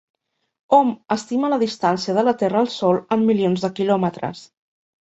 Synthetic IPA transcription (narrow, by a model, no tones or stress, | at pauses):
ɔməst̪imələðist̪ansiəðələt̪ɛrəːlˠsɔlˠəmːilionzðəkilɔmət̪ɾə̰s